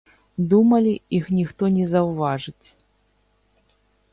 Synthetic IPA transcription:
d̪umɐlʲiixnʲixt̪ɔnʲɛzɐwvaʐɨt͡sʲ

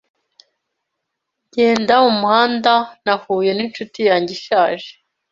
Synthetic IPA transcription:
ɟe̞ːndamumuhaːndanahuːje̞ninʃutijaːɲɟiʃaːʒe̥

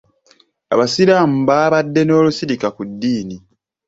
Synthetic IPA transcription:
a̰βasiɾam̩baːβadːe̞no̞ːlusiɾikakudːiːni

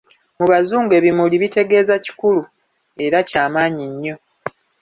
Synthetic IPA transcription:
muβazuːŋɡe̞ːβimuliβite̞ɡe̞ːzaci̥kulu | e̞ɾacaːmaːɲiɲːo̞

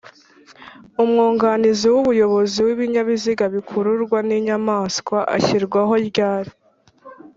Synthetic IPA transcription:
umŋoːŋɡaniziwuβujo̞βo̞ziwiβiɲaβiziɡaβikʰuɾuɾɡwaniɲamaːskwaʔa̰çiɾɡwaɦo̞ɾɟaːɾi

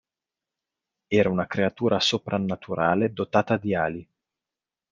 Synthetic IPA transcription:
ɛːɾaunakɾeat̪uːɾʔasopɾʔanːat̪ʰuɾaːled̪ot̪aːt̪ad̪iaːli

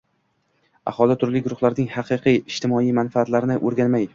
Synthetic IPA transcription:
a̰hɒlˠɪt̪ʰʊɾlɪɡʊɾʊχlˠaɾnɪŋhɑqʰɨqʰɨjɪʃt̪ʰɪmɒijmanfaːt̪laɾɪnɪʔoɾɡʲanmaj

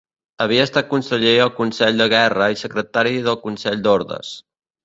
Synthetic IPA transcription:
əβiəːst̪at̪̚kunsəʎeəlˠkunsɛʎd̪əɣɛrəisəkɾət̪aɾiðəlˠkunsɛʎd̪oɾðə̰s

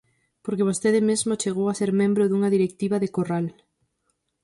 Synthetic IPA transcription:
poɾkeβ̞ost̪eðɪmezmot͡ʃeɣowaseɾmẽmbɾoðuŋaðiɾek̚t̪iβaðekoral

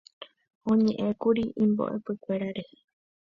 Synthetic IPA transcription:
õɲḛ̃ʔẽkuɾiʔĩmbo̰ʔe̞̰pɨkʷe̞ɾaɾe̞

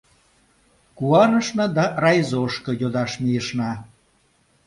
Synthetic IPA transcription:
kuɑnəʃnɑd̪ɑrɑjzoʃkɤ̆jod̪ɑʃmijəʃnɑ

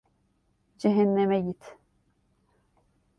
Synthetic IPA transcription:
d͡ʒɛɦɛnːɛmɛɟit̪

